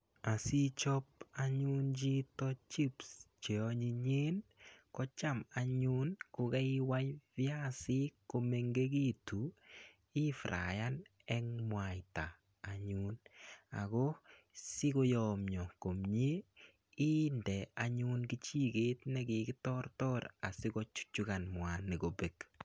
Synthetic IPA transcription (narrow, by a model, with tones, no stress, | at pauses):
a˨si˦t͡ʃɔ˦p̚aɲʊ˦nd͡ʒi˦tɔ˦t͡ʃi˦pst͡ʃe˨ɔ˦ɲi˧ɲe˦nkɔ˦t͡ʃa˦ma˨ɲu˦nko˧ɡɛ˦i˦wa˦jvja˦sɪ˦ko˧me˧ŋɡe˦ɡi˦tu˨ | ɪ˦fɾa̰˨ja˦n | ɛ˦ŋmwa˨jtaː˨ | ɲuna̰˨ko˦ | sɪ˦ko˦jɔ˨mjɔ˨ko˨mɲe˦ | i˦ndɛ˨a˨ɲu˦nki˦t͡ʃi˦ɡe˦tnɛ˦ɡɪ˨kɪ˦tɔ˦ɾtɔ˦ɾa̰˨sɪ˦kɔ˦t͡ʃu̥˦t͡ʃu˦ka˨nmwa˨nːɪ˨ɡo˨be˨k